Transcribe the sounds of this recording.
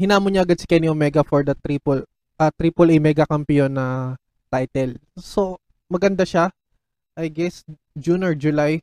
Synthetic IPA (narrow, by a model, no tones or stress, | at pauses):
hɪnaːmoɲaʔɐɡad̪̚sɪ̥kɛniʔomɛɡɐfɔɹd̪ɐt̪ɾiːpol | ʔɐt̪ɾiːpolɐjmɛɡɐkɐmpɪjonːɐ | t̪ajt̪ɛlso̞ | mɐɡɐnd̪aʃa | ʔɐjɡɛs | d͡ʒunɔɹd͡ʒʊlaj